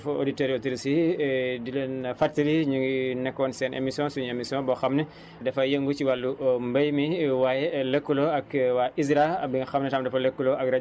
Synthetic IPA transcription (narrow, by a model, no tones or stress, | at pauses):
fo̰diteɾotiɾisidilenfaɾtiliɲuŋɡinɛkːɔnsɛːnʔḛmisiɔ̃nsuɲemisiɔ̃bɔxɐmne | dɛfɐjeŋɡut͡ʃiwalːumbɐjmiwajelekːuloɐkwaizɾabiŋɐxɐmnɛtamdɐfɐlɐkːuloɐkɾa